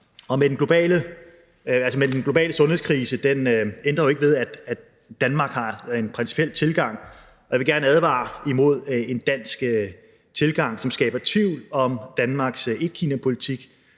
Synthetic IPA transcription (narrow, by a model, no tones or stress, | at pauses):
ɒ̽med̥enɡ̥lo̝b̥ɛ̰ːlə | ælsəmed̥enɡ̥lo̝bɛ̰ːləsɔ̽nhe̝skʰʁiːsəd̥enend̥ʁɐjoe̝ɡ̥əʋe̝ð̞ˠæd̥æ̥ | d̥ænmɑ̈ːɡ̥hɑ̈enpʰʁɛnsi̥pʰiel̰t͡sʰe̝lɡ̥ɑ̈ŋ̰ | ɒjɑ̈ʋe̝ɡ̥æɐnəæðˠʋɑ̰̈ːimo̝ð̞̰ˠe̝nd̥æn̰sɡ̥ | t͡sʰe̝lɡ̥ɑ̈ŋ̰sɒ̽msɡ̥ɛ̰ːb̥ɐt͡sʰʋiʊ̰lɒ̽md̥ænmɑ̈ɡ̥se̝d̥̚kʰiːnæpʰo̝lit͡sʰiɡ̥